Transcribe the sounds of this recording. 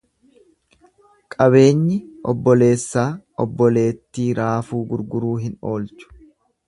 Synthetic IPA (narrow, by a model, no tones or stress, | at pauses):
kʼɐβe̞ːɲːɪʔɔ̰bːɔle̞ːsːaːʔɔbːɔle̞ːt̪ːiːɾaːfuːɡʊɾɡʊɾuːɦɪno̞ːlt͡ʃʊ̥